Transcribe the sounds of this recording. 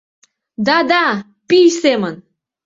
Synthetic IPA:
d̪ɑd̪ɑ | pisemən

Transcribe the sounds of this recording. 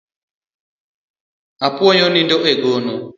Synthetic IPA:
apwɔɲɔnindɔʔeɡono

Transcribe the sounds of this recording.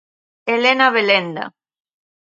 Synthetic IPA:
elenaβelend̪a̰

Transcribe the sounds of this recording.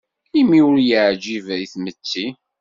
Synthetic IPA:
imiʊɾjəʕd͡ʒivæiθmət͡sːi

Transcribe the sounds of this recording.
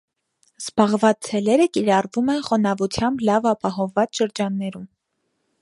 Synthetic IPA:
z̥bɑʁvɑt͡st͡sʰɛlɛɾəkiɾɑrvumɛnχɔnɑvut͡sʰjɑmblɑvɑpɑɦɔvːɑt͡sʃəɾd͡ʒɑnːɛɾum

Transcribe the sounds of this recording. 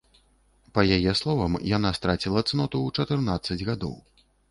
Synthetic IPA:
pɐjajɛslˠɔvɐmjanast̪ɾat͡sʲilˠɐt̪snɔt̪ut͡ʂɐt̪ɨrnat̪sːɐd͡zʲɣad̪ɔ̰w

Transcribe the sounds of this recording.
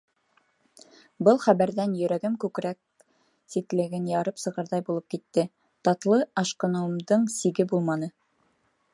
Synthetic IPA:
bɤlˠχæβæɾðænjɵ̆ɾæɡɘmkʉkɾæk̚ | sit̪lɘ̆ɡɘnjɑɾɤpsɤ̆ʁɑɾðɑjbulˠɤp̚kit̪ːɘ | t̪ɑt̪lˠɤɑʃqɤ̆nɤ̆md̪ɤɴsiɡɘbulˠmɑnɤ

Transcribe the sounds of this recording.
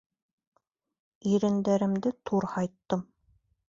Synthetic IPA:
iɾɘ̆nd̪æɾɘ̆md̪ɘt̪ʰuɾhɑjt̪ːɤm

